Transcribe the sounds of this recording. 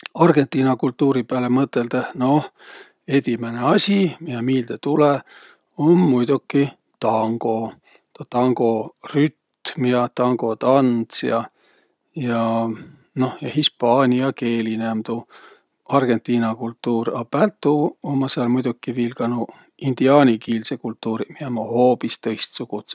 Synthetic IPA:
ɑrɡ̥e̞nt̪ːˑiːnɑkult̪ːuːɾipæːlemɤt̪ːˑe̞ld̪eno̞h | e̞d̪̥ʲimeneɑsʲimihemiːld̪̥et̪ule | o̞nmujd̪ukːi | t̪ɑŋɡ̥o̞ | t̪t̪ɑŋɡ̥o̞ryt̪miɑt̪ɑŋɡ̥o̞t̪ɑnt̪sjɑ | jɑ | no̞hjɑhispɑːnʲiɑkeːlinemd̪̥u | ɑrɡ̥e̞nt̪ːˑiːnɑkult̪ːuːɾɑpælt̪ːˑuomːɑseɑlmujd̪̥ukːˑivilɡ̥ɑnu | ind̪̥iɑːnʲikiːlsekult̪ːˑuːɾimiemɑhoːpist̪ɤ̞jst̪suɡ̥ut̪s

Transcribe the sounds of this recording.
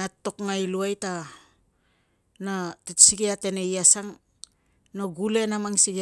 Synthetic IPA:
ato̞kŋajluajta | natetsiɡeate̞ne̞jasaŋ | noɡule̞namaŋsiɡ

